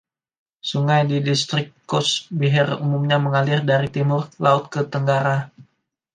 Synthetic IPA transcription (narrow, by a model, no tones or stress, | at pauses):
suŋajdidist̪ɾɪk̚kɔsbiɦɛrumumɲaməŋalɪrdaɾit̪imʊrlaʊt̪̚kət̪əŋɡaɾa